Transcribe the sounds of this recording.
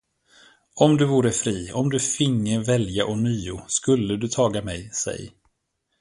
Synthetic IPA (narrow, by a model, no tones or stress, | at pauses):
ɔmd̪ɵvuːɾəfɾiːɔmd̪ɵfɪŋːəvɛljaʔɔnyːʊskɵlːəd̪ɵt̪ʰɑːɡamɛjsɛ̰j